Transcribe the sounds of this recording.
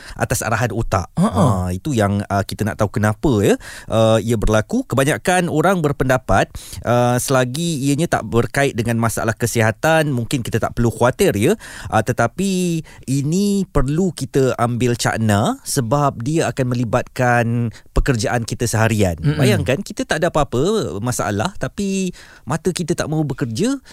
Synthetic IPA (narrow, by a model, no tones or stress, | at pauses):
ʔa̰t̪asa̰ɾaɦanot̪a̰ʔit̪ujaŋəkit̪ənaʔt̪aukənãpəjəʔəiəbərlakukəbaɲakanoɾaŋbərpəndapat̪̚ʔəsəlaɡiːəɲãt̪a̰ʔbərkaɪt̪̚dəŋanmasaʔa̰lahkəsiɦat̪anmuŋkɪnkit̪ət̪a̰ʔpərlukuat̪ɪrjəʔət̪ət̪apiinĩpərlukit̪əambɪlt͡ʃa̰ʔnasəbap̚diaakanmə̃libat̪̚kanpəkərd͡ʒaʔankit̪əsəɦaɾia̰nbajaŋkankit̪ət̪aʔdapaapəmasaʔa̰laht̪api | mãt̪əkit̪ət̪a̰ʔmãubəkərd͡ʒə